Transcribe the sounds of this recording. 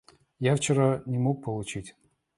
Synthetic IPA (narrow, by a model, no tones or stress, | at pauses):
jaft͡ɕɪɾanʲɪmok̚pəlˠʊt͡ɕitʲ